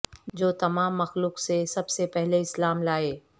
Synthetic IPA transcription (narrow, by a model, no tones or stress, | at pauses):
d͡ʒoːt̪ɐmaːmːɐxluːksesɐbsepɛɦleɪslaːmlaːeː